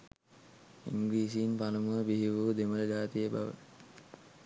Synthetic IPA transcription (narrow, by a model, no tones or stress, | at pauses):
iŋɡiːsiːnpanəmuəbiɦiʋuːd̪emələd͡ʒaːt̪ijəba̰ʋə̰